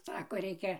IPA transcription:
ˈsɑːkoː ˈrʲɛɪkʲɛ

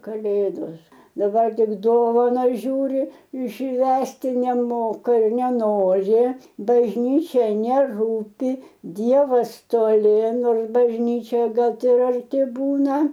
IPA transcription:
kɐˈlʲeːdoːs dɐˈbɐr ˈtʲɪk ˈdoːʋɐnɐs ˈʒʲuːrʲɪ ˈʃʲʋʲæːsʲtʲɪ nʲɛˈmoːkɐ ɪ nʲɛˈnoːrʲɪ bɐʒʲˈnʲiːt͡ʃʲɛ nʲɛˈruːpʲɪ ˈdʲiɛʋɐs toːˈlʲɪ ˈnoːrs bɐʒʲˈnʲiːt͡ʃʲoːjɛ ˈɡɐlˠ tʲɪ ɪr ɐrʲˈtʲɪ ˈbuːnɐ

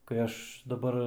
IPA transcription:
kɐɪ ˈɐʃ dɐˈbɐr

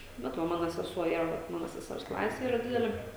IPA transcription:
ˈbʲɛt ʋɐ ˈmɑːnoː sʲɛˈsuɔ ˈiːrɐ ʋɐt ˈmɑːnoː sʲɛˈsʲɛrs ˈklˠɑːsʲɛ ˈiːrɐ ˈdʲɪdʲɛlʲeː

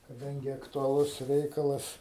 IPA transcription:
kɐˈdɐŋʲɡʲɪ ɐktʊɐˈlˠʊs ˈrʲɛɪkɐlˠɐs

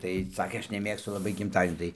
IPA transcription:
tɐɪ ˈsɑːkʲeː ˈɐʃ nʲɛˈmʲeːkstʊ lˠɐˈbɐɪ ɡʲɪmˈtɑːdʲiɛnʲuː tɐɪ

